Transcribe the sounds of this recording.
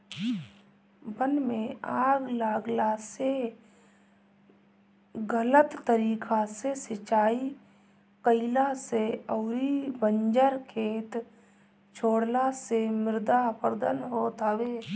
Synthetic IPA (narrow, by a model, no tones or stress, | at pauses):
bənmẽaːɡlaːɡlase | ɡələt̪ːəɾiːkʰasesɪt͡ʃaːi | kəɪlaseəʊɾibəɲd͡ʒəɾkʰeːt̪ | t͡ʃʰoːɽlasemɪɾd̪apəɾd̪ənɦot̪aweː